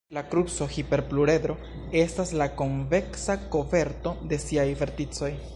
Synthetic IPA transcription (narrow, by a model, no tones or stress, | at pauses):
lakɾupso̞hipe̞ɾpluɾe̞d̪ɾo̞ | e̞staslako̞nve̞ksako̞ve̞ɾto̞de̞siajve̞ɾtit͡so̞j